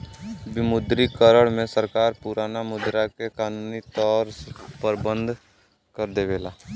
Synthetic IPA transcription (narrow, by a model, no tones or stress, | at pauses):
bɪmʊd̪ɾikəɾəɽmẽsəɾkaːɾpuɾaːnamʊd̪ɾakekaːnuːnit̪ɔːɾpəɾbə̃nd̪ʱ | kəɾd̪eʋeːlaː